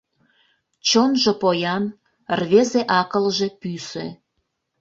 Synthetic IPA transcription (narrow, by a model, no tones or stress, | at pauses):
t͡ɕonʒĕpojɑn | rβezeʔɑkəlʒĕpysḛ